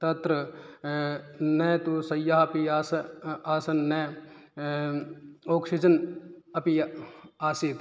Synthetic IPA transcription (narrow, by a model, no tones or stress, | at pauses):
t̪ɐt̪ɾɐ | neːt̪usɐjːaɦɐpiaːsɐaːsɐnːeː | oːkʃid͡ʒɐnɐpiaːsit̪